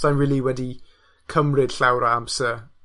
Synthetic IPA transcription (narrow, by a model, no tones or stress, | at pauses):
anɹɪːlˠiwɛdi | kʰəmrɪd̥ɬawɾamsə